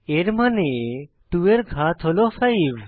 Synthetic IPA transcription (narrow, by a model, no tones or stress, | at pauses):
eɾmane | ʈueɾɡʱat̪ʰɦolofʰajb